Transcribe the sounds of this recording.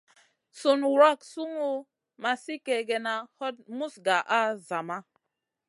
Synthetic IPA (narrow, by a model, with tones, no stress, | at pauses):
so˨n˨ɾa˦˨ksu˦ŋu˦ | ma˨si˦kɛ˨ɡɛ˨na˨hɔ˦t̚mu˦sɡa˨ʔa˦za˨ma˦